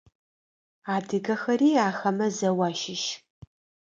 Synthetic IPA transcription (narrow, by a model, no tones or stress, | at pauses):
aːdɨɡɐxɐriːaːxɐmɐzɐwaːʃɪʃ